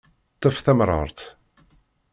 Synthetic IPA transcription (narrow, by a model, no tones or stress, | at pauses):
t̪ˤːɑfθæmɾˤɑ̰ɾˤt̪